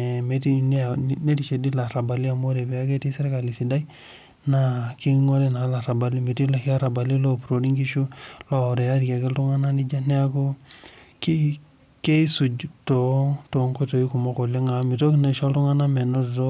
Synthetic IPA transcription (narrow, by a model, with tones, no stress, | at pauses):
me˨ti˦n˦˨ne˦di˨t͡ʃe˨di˦la˨ɾa˨ba˨li˦a˨mo˦ɾe˨bɛ˨a˦ke˦ti˦sɛ˦ɾka˨li˨si˨da˦i˦ | na˦ki˦ŋo˦li˦na˨˦la˨ɾa˨ba˨li˦me˨ti˦la˨ki˦a˦ɾa˨ba˨li˦lo˦˨pɾo˨ɾi˦ŋki˦ʃu˦lɔ˦˨ɾe˨ja˦ɾi˨ke˨ɡe˦ltu˦ŋa˦na˦ni˦d͡ʒa˦nɛ˦a˦ko˦ki˦ | ke˦i˦su˨d͡ʒto˨to˨˦ŋko˦to˨i˦ku˨mɔ˦ko˨le˦ŋa˨˦mi˨to˦kna˨ʃɔ˦ltu˦ŋa˦na˦mɛ˨no˦dto˦